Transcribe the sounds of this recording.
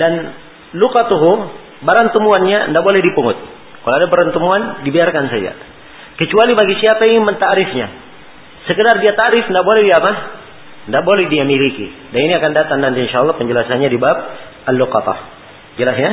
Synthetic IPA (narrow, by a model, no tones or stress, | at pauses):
dan | lukat̪uɦu | baɾant̪əmuanɲa̰ndaʔbolɛhdipuŋʊt̪̚ | kaloadabəɾant̪əmuandibiarkansad͡ʒa̰ | kət͡ʃualibaɡisiapaiŋimənt̪aʔɾɪfɲa | səkədardiat̪aʔɾɪfndaʔbolɛhdiapa | ndaʔbolɛhdiamiɾikḭdaniniakandat̪aŋnant̪iinʃaːlːɑhpəɲd͡ʒəlasanɲadibap̚ | alːuqɑt̪ɑ̰h | d͡ʒəlasɲa